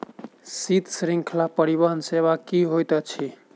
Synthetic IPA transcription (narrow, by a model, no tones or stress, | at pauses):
sit̪sɾĩŋkʰlapəɾibəɦənseβakiɦojt̪ət͡ʃʰi